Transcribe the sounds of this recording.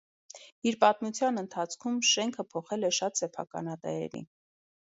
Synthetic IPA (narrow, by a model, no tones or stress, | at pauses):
iɾpɑt̪mut͡sʰjɑnənt̪ʰɑt͡sʰkʰumʃɛŋkʰəpʰɔχɛlɛʃɑt̪sɛpʰɑ̰kɑ̰nɑt̪ɛ̰ɾɛ̰ɾḭn